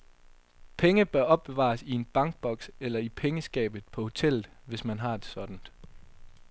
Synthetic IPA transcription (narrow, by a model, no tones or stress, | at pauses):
pʰeŋəb̥ɶɐɒ̽b̥̚ːe̝ʋɑ̰̈ːsie̝nb̥ɑ̈ŋɡ̥̚b̥ɒ̽ɡ̥selɐipʰeŋəsɡ̥ɛ̰ːb̥ð̩ˠpʰɒ̽ho̝t͡sʰel̰ð̩ˠʋe̝smænɦɑ̈e̝d̥sɒ̽d̥n̩d̥